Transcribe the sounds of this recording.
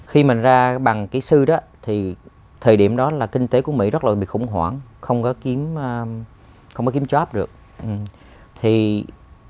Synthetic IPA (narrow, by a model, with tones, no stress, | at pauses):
xi˧mï˨˩ŋ̟zaː˧ɓa˨˩ŋkaː˨˦jsɨ˧ɗɔ˨˦t̪ʰi˨˩ | t̪ʰəː˨˩jɗḭ˧˩əmɗɔ˨˦laː˨˩kï˧ŋ̟t̪e˨˦ku˧˩əmḭ˧˥zə˦˥t̚laː˨˩ɓḭ˧˨xʊ̰˧˩˦ŋ͡mɦwa̰ː˧˩ŋxə˧wŋ͡mkɔ˨˦ki˨˦əmː˧ | xə˧wŋ͡mkɔ˨˦ki˨˦mt͡ɕwa˦˥p̚ɗɨ˨˩ək̚ | ʔ | t̪ʰi˨˩